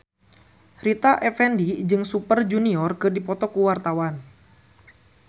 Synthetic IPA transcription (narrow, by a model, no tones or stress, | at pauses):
rit̪aʔɛfɛndid͡ʒɨŋsupərd͡ʒuniɔrkɨrdipɔt̪ɔkuwart̪awan